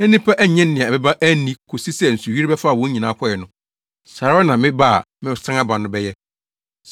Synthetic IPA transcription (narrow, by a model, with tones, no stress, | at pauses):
æ̃˦nĩ˦pʰa˦ʔæ˦ɲɛ̃˦nː˦ɪ̃˨ã˨bɛ˦bã˦ʔæ˦nĩ˦kʰo˨si˦sɛ˦˨n̩˨su˨ɥi˦ɾbɛ˦fa˦˨wɔ̃˦ɲĩ˨nãː˨˦kʰɔ˦˨ɛ˨nʊ̃˦ | sa˨ɾa˦nã˨mɪ̃˦ba̰˦˨ | mɪ̃˦sã˦ŋa˦bã˨nʊ̃˦bɛ˦jɛ˦